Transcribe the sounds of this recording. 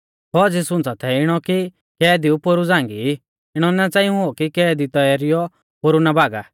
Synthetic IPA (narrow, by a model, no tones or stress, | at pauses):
kɔd͡zisʊ̃nt͡sat̪ʰɛɪɽ̃ɔki | kɛːd̪iupoɾud͡zãːŋɡi | ɪɽ̃ɔnɛt͡sãːĩũɦokikɛːd̪it̪ɔjaːɾɪjɔ | poɾunabaːɡa